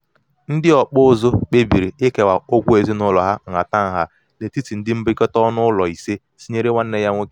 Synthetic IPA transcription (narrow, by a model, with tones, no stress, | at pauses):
n̩˦dɪ˦ɔ˨k͡pʊ˦zʊ˦k͡pe˦bi˨ɾi˨ɪ˦ke˨wa˨o˦ɡʷu˦e˨zi˦nʊ˦lɔ˨ɦa˦ŋ̩˨a˨ta˦˨ŋ̩˨ɦa˦ | le˨ti˦ti˨n̩˦dɪ˦m̩˦bɪ˦kɔ˦tɔ˦nʊ˦lɔ˨i˨se˦ | si˦ɲe˦ɾe˦wa˦n̩˦ne˦ja˦ŋʷo˦ke˦